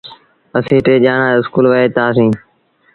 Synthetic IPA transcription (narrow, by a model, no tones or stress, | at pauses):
əsĩːʈeːʄaːɳãːɪskuːlʋəeːt̪aːsĩː